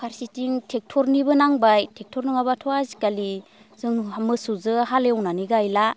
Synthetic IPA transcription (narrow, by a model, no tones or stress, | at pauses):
pʰaɾsitiŋtʰek̚tʰɔɾnibɯnaŋbajtʰek̚tʰɔɾnɯŋabatʰɔazi̥kali | zɯŋmɯsuzɯɦaleɔwnaniɡajla